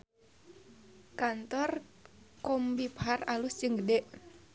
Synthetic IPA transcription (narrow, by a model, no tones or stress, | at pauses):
kant̪ɔrkɔmbipɦaralusd͡ʒɨŋɡədɛʔ